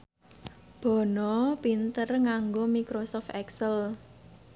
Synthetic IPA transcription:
b̥ɔ̤nɔpint̪ərŋaŋɡomikɾosɔft̪ɛksəl

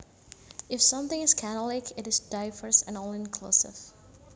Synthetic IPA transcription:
ɨfsʌ̃mθɪ̃ŋɪz̥kʰænl̩ˠɪkʰɪɾɨzdaɪvə˞sɨ̃nɔlˠɪ̃nkʰl̥ṵsɪ̰v̥

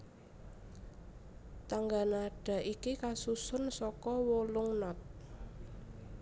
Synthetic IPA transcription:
t̪aŋɡanaɖ̥ä̤ʔikikasusʊnsɔkɔwolʊŋnɔt̪̚

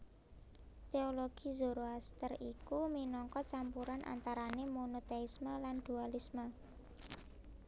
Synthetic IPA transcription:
t̪eoloɡ̥i̤zuɾoast̪ərikuminɔŋkɔt͡ʃampuɾanʔa̰nt̪aɾanemonot̪eisməland̪̥ualismə

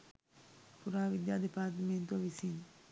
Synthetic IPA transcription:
puɾaːʋid̪jaːd̪epaːɾt̪əment̪uʋɐʋisin

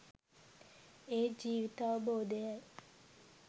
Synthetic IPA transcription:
eːd͡ʒiːʋit̪aːʋəboːd̪ejaj

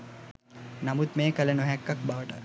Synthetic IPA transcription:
namut̪meːkəlenoɦækːak̚baʋəʈə

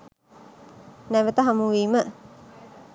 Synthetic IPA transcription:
næʋət̪əɦamuʋiːmə

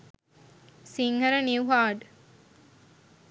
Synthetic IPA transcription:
siŋhɐɾɐniuɦaːɖ

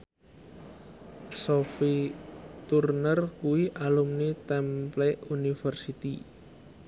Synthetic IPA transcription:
sofit̪urnərkuiʔalumnit̪ɛmplɛunifərsit̪i

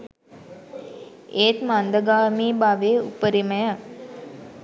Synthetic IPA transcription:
eːt̪mand̪əɡaːmiːbaʋeːṵpəɾiməjə

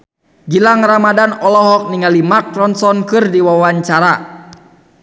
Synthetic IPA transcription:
ɡilaŋramadanɔlɔɦɔk̚niŋalimakrɔnsɔnkɨrdiwawaɲt͡ʃaɾa

